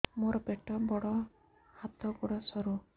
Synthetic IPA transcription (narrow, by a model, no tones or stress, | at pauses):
moɾɔbeʈɔbɔɽɔ | hat̪ɔɡɔɽɔsɔɾu